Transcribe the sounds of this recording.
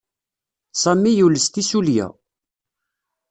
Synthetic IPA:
sˤɑmːijuləst̪isuljæ̰

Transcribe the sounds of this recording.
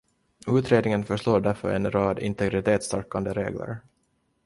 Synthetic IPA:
ʉ̟ːt̪ɾeːd̪nɪŋənfœʂloːɖæɾfœ̰ɾɛ̰nɾɑːd̪ɪ̰nt̪ʰɛɡɾɪt̪ʰeːt̪st̪aɾkand̪əɾeːɡlə̰ɾ

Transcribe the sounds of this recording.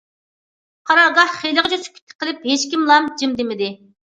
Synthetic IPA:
qʰɑɾɑɡɑhχejlɨʁət͡ʃʰøsy̥kʲʰːy̥t̪ʰːɪ̥qʰəlˠɨpɦet͡ʃkʲimlˠɑmd͡ʒimd̪ɪmɪd̪ɪ

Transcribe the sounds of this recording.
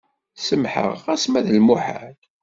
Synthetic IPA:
səmħə̰ʁæsmæðəlmuħa̰d̪

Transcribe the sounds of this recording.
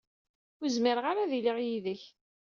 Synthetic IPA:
ʊzmiɾʁaɾaðiliʁjiðəç

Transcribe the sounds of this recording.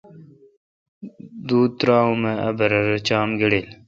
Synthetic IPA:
d̪uːt̪ɾaːũmeɐ̰bɐɾɐɾɐt͡ɕaːmɡəɽeːl

